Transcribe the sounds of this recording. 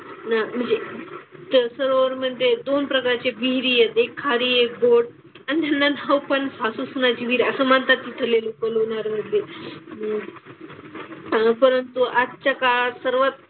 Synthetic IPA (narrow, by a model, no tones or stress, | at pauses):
nam̤əɳd͡zet̪əsəɾəɾm̤əd̪ʱjed̪onpɾəkaɾt͡ɕebiɦɾiːjet̪ekʰːaɾiekɡoɽ | anit̪janːanawpənfasusunad͡ʑiʋiːɾəsəmant̪at̪ːit̪ʰəɾlelukəlonaɾm̤əɽd̪ʱe | pəɾənt̪uʔatt͡ɕakasəɾʋat̪̚